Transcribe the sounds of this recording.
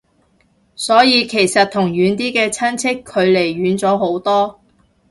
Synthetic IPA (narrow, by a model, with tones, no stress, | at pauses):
sɔː˨˥jiː˨˧kʰe˨˩jsɐ˨t̚t̪ʰʊ˨˩ŋɥyː˨˥nt̪iː˥kɛː˧t͡sʰɐ˥nt͡sʰɪ˥kʰːɵ˨˧ɥle˨˩jɥyː˨˥nt͡sɔː˨˥ɦo˨˥wt̪ɔː˥